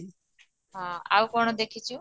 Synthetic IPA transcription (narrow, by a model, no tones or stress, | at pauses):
ɦãa̰wkɔɽ̃ɔd̪ekʰit͡ʃʰu